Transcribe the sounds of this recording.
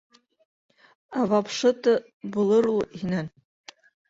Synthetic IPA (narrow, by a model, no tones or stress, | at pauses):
avapʰʂɨtʰʼɨ | bulɨɾuinan